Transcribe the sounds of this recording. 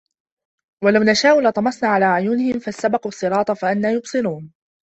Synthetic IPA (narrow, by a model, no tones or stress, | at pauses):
walawnaʃaːʔʊlɑt̪ˤɑmɑsˤnaːʕalaːʕʊjuːnɪhɪmfasːabɑquːɑsˤːɨɾɑːt̪ˤɑfaʔanːaːjʊbsˤɨɾuːn